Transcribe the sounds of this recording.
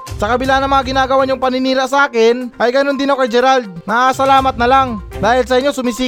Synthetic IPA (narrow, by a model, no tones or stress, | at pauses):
sɐkɐbɪlanɐŋmɐŋaɡɪnaːɡɐwaɲʊŋpɐnɪniːɾaʔsɐʔaːkɪnʔɐjɡɐnond̪ɪnokɐjd͡ʒɛɾald̪̚nɐʔasɐlaːmɐt̪̚nɐlaŋd̪aːhɪlsɐʔɪɲːsʊmɪsiː